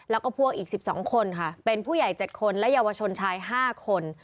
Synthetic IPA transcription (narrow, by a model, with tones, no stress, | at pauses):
lɛː˦˥wkɔː˥˩pʰu˥˩ək̚ʔiː˨˩k̚si˨˩p̚sɔ̰ː˩˦ŋkʰo˧nkʰa˥˩pe˧npʰuː˥˩ja˨˩jt͡ɕe˨˩t̪̚kʰo˧nlɛ˦˥jaː˧wa˧t͡ɕʰo˧nt͡ɕʰaː˧jɦaː˥˩kʰo˧n